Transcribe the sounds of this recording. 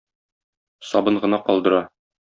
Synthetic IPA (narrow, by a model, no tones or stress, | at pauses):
sɒbɤɴʁɤ̆nɑqɒlˠd̪ɤ̆ɾɑ